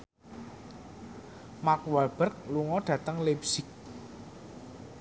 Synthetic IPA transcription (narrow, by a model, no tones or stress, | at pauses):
makwab̥ə̤rk̚luŋɔɖ̥ä̤t̪əŋlepsɪk̚